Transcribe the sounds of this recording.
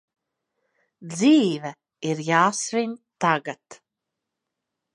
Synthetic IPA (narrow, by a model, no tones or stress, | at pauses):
d̪ziːvɛ | iɾjaːsvinʲt̪aɡat̪